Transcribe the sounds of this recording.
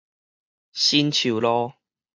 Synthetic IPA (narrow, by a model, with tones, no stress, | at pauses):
ɕi˦nt͡ɕʰu˨˩˦lɔ˦